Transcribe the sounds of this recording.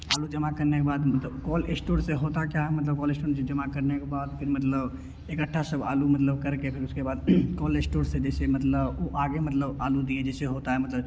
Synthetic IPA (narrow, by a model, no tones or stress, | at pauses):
a̰ːlud͡ʒəmakəɾnekebaːd̪mət̪ləbkɔːlesʈoːɾseɦoːt̪akjaɦɛmət̪ləb̚kɔːlesʈoːɾsed͡ʒəmakəɾnekebaːd̪pʰɪɾmət̪ləb | ekəʈʰːasəba̰ːlumət̪ləbkəɾkepʰɪɾʊskebaːd̪kɔːlesʈoːɾsed͡ʒɛːsemət̪ləboʔaɡemət̪ləbaːlud̪ied͡ʒɛːseɦoːt̪aɦɛmɐt̪ləb